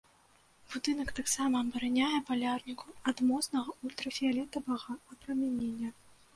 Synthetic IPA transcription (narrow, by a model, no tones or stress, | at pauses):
b̥ud̪ɨnɐkt̪aksamɐbɐɾanʲajɛpalʲarnʲikʰuɐd̪mɔsnɐɣɐulʲt̪ɾɐfʲialʲɛt̪ɐvɐɣɐɐpɾɐmʲanʲenʲːɐ